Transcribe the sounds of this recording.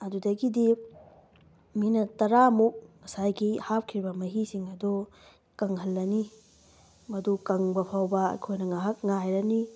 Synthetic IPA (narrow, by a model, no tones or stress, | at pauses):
ɐdudɐɡidi | minɐtɐɾamuk̚mɐsajɡihap̚kʰɾibɐmɐɦisiŋɐdu | kɐŋɦɐlːɐni | mɐdukɐŋbɐpʰawbɐɐ̰jkʰojnɐŋaɦɐk̚ŋajɾɐni